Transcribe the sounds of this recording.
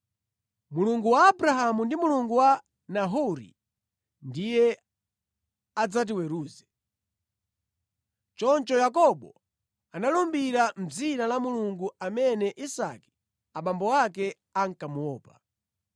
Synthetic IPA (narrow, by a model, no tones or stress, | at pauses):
muluŋɡuwaːbɾaɦamundimuluŋɡuwa | naɦuɾḭ | ndijɛ | ad͡zat̬iwɛɾuːzɛ | t͡ʃɔnt͡ʃɔjakɔɓɔ | analumbiɾam̩d͡zinalamuluŋɡuʔamɛnɛʔisa̰ki̥ | aɓambɔwakɛ | aŋ̩kamuwɔːpa